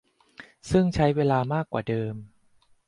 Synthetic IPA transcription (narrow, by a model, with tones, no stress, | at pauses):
sɯ˥˩ŋt͡ɕʰa˦˥jweː˧laː˧maː˥˩kwaː˨˩dɤː˧m